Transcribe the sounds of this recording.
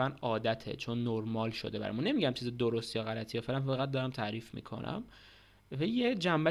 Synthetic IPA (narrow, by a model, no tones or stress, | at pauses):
ænɒːd̪æt̪ʰe̞̰t͡ʃʰo̞nːoɾmɒːlʃo̞̰d̪e̞bæ̰ɒ̰mune̞miɟæmt͡ʃʰized̪oɾost̪ijɒɣælæt̪ʰijɒfelænfæɣæt̪̚d̪ɒɾæmt̪ʰæːɾiːfmḭːkʰo̞̰nʔæ̰m | vejed͡ʒæmbæ